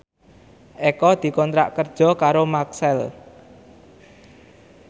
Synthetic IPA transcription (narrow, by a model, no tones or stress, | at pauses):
ʔekɔd̪̥i̤kɔnt̪ɾa̰ʔkərd̥ʒ̥ɔ̤kaɾomaksɛl